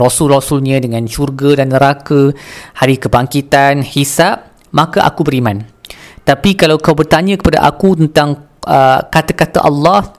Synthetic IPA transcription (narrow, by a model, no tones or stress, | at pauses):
ɾɔsulrɔsulɲãdəŋãnʃurɡadanːəɾakahaɾikəbaŋkit̪anhisap̚ | mãkaʔa̰kubəɾimãnt̪apikalawkawbərt̪aɲãkə̥pada̰ʔa̰kut̪ənt̪aŋ | ʔəkat̪akat̪a̰ʔɑ̰lːɑh